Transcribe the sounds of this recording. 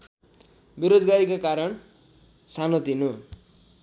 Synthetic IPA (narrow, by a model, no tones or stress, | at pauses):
beɾod͡zɡaɾikakaɾʌn | sanʌt̪ino